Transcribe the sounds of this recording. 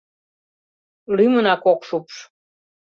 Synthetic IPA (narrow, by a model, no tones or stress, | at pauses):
lymənɑkokʃupʃ